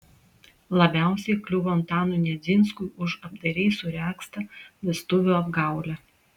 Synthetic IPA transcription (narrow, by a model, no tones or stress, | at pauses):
lˠɐbʲæˑʊsʲɛɪklʲʊʋont̪ɑːnuˑnʲɛzʲɪnskʊʔʊʃɐbd̪ɐɾʲɛɪsʊɾʲæːkst̪ɐlʲɛst̪ʊʋʲuːɐbɡɑˑʊlʲæ